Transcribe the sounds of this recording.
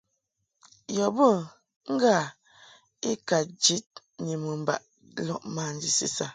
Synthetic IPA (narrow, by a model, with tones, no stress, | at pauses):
jɔ˨bə˦˨ | ŋ̩˦ɡa˦˨ | i˦ka˨d͡ʒi˦t̚ | ɲi˨mə˨m̩˨ba̰˦˨ʔ | lɔ˦ʔmaː˨n̩˦di˦si˦sa˦˨